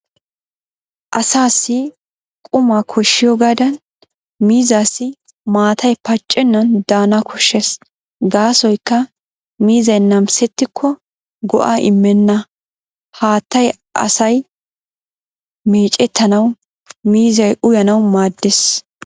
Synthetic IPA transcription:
ʔɐsaːsːɪ | kʼʊmaːkʰɔʃːɪjɔɡaːd̪ɐn | miːzaːsːɪ | maːt̪ʰɐjpɐt͡ʃʼːɛnːɐnd̪aːnɐkʰɔʃːɛs | ɡaːsɔjkːɐ | miːzɐjnɐmsɛt̪ːɪkʰːɔ | ɡɔ̰ʔaʔɪmːɛnːɐ | haːt̪ːɐj | ʔɐ̰sɐj | meːt͡ʃʼɛt̪ʰːɐnɐw | miːzɐjʔʊjɐnɐwmaːd̪ːɛs

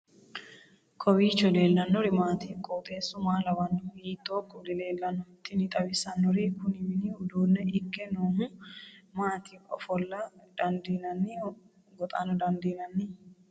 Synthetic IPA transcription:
kʰɔwiːt͡ʃːɔle̞ːlːɐnːɔɾɪmaːt̪iːkʼːɔːt̪ʼeːsʊmaːlɐwɐnːɔhiːt̪ʼːoːkʼʊd̪ɪle̞ːlːɐnːɔɪt̪ːɪnɪt̪ʼɐwɪsɐnːɔɾikʊnɪmɪnɪʊd̪uːnːɛʔɪkːɛnoːɦʊmaːt̪ʰikʼɔ̰fɔlːɐd̪̥ɐnd̪inɐnːɪ | ɡɔt̪ʼa̰nɔd̪ɐnd̪inɐnːɪ

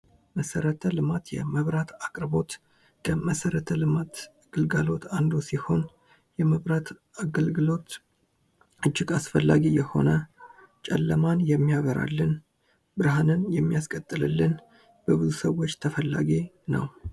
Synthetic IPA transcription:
məsəɾət̪ʰəlɨmat̪jɛ̰məβɾat̪akʼɾbo̞t̪ | kʰəməsəɾət̪ʰəlɨmat̪ | ɡ̥ɨlɡalo̞t̪and̪o̞siho̞n | jɛməβɾat̪ | aɡəlɡɨlo̞t̪ | ʔɨt͡ʃːɪɡasfəlːaɡijɛho̞̰nə | t͡ʃʼɛlːəmanjɛmːijaɡəɾa̰lːɨn | bɨɾɦanɨnjɛmːijaskʼət̪ʼːɨlɨ̰lːɨn | b̥əbɨzusəwo̞t͡ʃːt̪ʰəfəlːaɡe | nə̰w

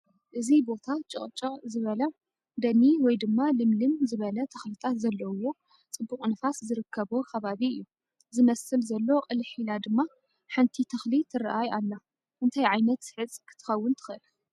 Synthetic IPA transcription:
ʔɨzibo̞t̪ʰat͡ʃʼɨkʼt͡ʃʼɐzɨβɐlɐ | d̪ɐnːiwɔjd̪ɨmːalɨmlɨnzɨβɐlɐt̪ʰɐxlit̪ʰat̪zɐlːɐwo̞ | t͡sʼɨbːuqʼnɐfaszɨɾɨkʰːɐβokʰɐβaβiɨjːu | zɨmɐsɨlzɐlːo̞qʼɨlħilad̪ɨmːa | ħɨnt̪ʰit̪ʰɐxlit̪ʰɨɾaʔajʔalːa | ʔɨnt̪ʰajʕajnɐt̪ħɨt͡sʼkʰɨ̥t̪ʰɨ̥xɐwːʊnt̪ʰɨ̥xʔɨl

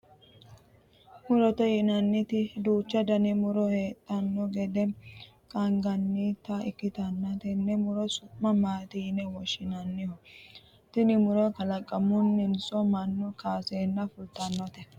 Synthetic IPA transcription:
mʊɾɔt̪ɔjɪnɐnːɪt̪ɪd̪uːt͡ʃːɐd̪ɐnɪmʊɾɔheːt̪ʼːɐnːɔɡɛd̪ɛ | kʼɐŋɡɐnːɪt̪ɐɪkːɪt̪ɐnːɐt̪ɛnːɛmʊɾɔsʊmːɐmaːt̪ɪjɪnɛwɔʃːɪnɐnːɪhɔ | t̪ɪnɪmʊɾɔkɐlɐkʼːɐmʊnːɪnsɔmɐnːʊkaːseːnːɐfʊlt̪ɐnːɔt̪ɛ

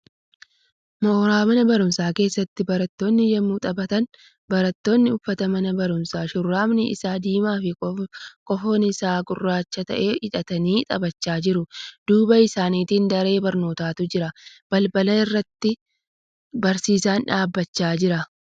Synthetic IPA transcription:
mɔɾaːmɐnɐbɐɾʊmsaːke̞ːsːɐt̪ːɪbɐɾɐt̪ːo̞ːnːɪjɐmːuːt̪ʼɐbɐt̪ɐn | bɐɾɐt̪ːo̞ːnːɪʊfːɐt̪ɐmɐnɐbɐɾʊmsaːʃʊrːaːmnɪɪ̰saːd̪iːmaːfɪkʼɔfoːnɪɪsaːɡʊrːaːt͡ʃːɐt̪ɐ̰ʔeːʔɪᶑɐt̪ɐniːt̪ʼɐbɐt͡ʃːaːd͡ʒɪɾʊd̪̥uːbɐɪsaːniːt̪iːnd̪ɐɾe̞ːbɐɾno̞ːt̪aːt̪ʊd͡ʒɪɾɐb̥ɐlbɐlɐɪrːɐt̪ːɪ | bɐɾsiːsaːnᶑaːbːɐt͡ʃːaːd͡ʒɪɾɐ

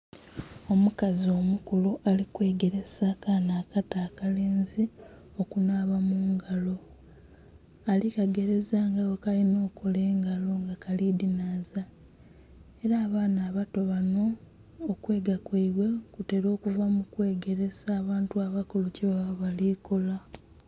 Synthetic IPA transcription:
o̞mukazio̞mukuluʔalikweːɡe̞ɾe̞sakanaːkataːkaleːnzi | o̞kunaːβamuːŋɡalo̞ | alikaɡe̞ɾe̞zaŋɡawokalino̞ːkʰole̞ːŋɡalo̞ŋɡakalidinaːza | e̞ɾaːβaːnaːβato̞βano̞ː | kwe̞ːɡakwaiβwe̞kute̞ːɾo̞ːkuvamukwe̞ːɡe̞ɾe̞zaːβaːntuaβakuluciβaββaliko̞la

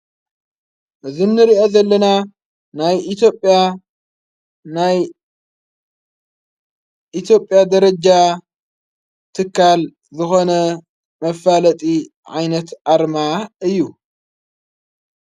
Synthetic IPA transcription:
ʔɨzɨnːɨɾiʔo̞zɐlːɐna | najit̪jo̞pʼːja | naj | ʔit̪ʰjo̞pʼːjad̪ɐɾɐd͡ʒa | t̪ʰɨkːal | zɨxo̞nɐ | mɐfalɐt̪ʼi | ʕa̰jnɐt̪ʔaɾmaɨjːu

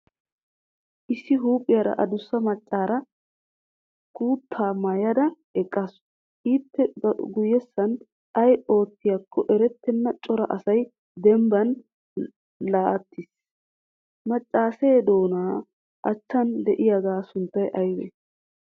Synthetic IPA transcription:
ʔɪsːɪɦuːkʼɪjɐɾɐ̰ʔɐd̪ʊsːɐmɐt͡ʃʼːaːɾɐ | kuːt̪ʰːaːmɐjɐd̪ɐ | ɛkʼːɐs | iːt̪ːɛɡʊjːɛsːɐn | ɐjo̞ːt̪ːɪjɐkːɔʔɛɾɛt̪ːɛnːɐt͡ʃʼɔɾɐʔɐsɐj | d̪ɛmbɐn | laːt̪ːɪs | mɐt͡ʃʼːaːseːd̪o̞ːnaː | ʔɐt͡ʃːɐnd̪ɛʔɪjɐɡ̪aːsʊnt̪ːɐjʔɐjwḛː

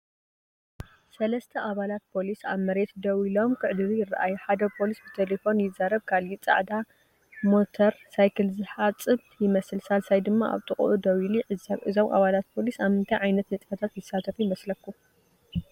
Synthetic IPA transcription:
sɐlɐst̪ʰɐʔaβalat̪̚pʰo̞lisaβmɐɾe̞t̪d̪ɐwilo̞mkʰɨʕd̪ɨɾujɪrːa̰ʔajuħad̪ɐpʰo̞lisbɨt̪ʰelefo̞njɪzːaɾɐβkʰalit͡sʼa̰ʕd̪a | mo̞t̪ʰɐɾsajkʰɨlzɨħat͡sʼɨβjɪmɐsɨlsalsajd̪ɨmːaʔa̰βt̪ʼɨχʼʔud̪ɐwiliʕɨzaʔɨzo̞mʔa̰βalat̪̚pʰo̞lisaβmɨnt̪ʰajʕajnɐt̪nɨt͡sʼfɐt̪ʰat̪jɪsːat̪ʰɐfujɪmɐslɐkʰːu

